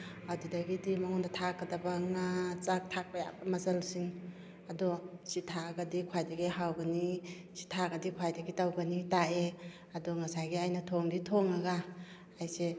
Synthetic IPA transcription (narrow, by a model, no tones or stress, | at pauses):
awdidɐɡidimaŋɔndatʰakːɐdɐbaŋat͡ʃak̚tʰak̚baja̰bɐmazɐlsiŋ | ɐdɔsitʰaaɡadikʰwajdɐɡiɦawɡɐni | si̥tʰaɡadikʰwajdaɡitawɡanitae | ɐdɔŋɐsajɡiajnatʰɔŋditʰoŋaɡaː | jse